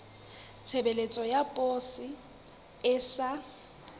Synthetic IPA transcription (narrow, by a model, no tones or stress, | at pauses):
t͡sʰebelet͡sʼɔjapʼoːsɪ | ɪsa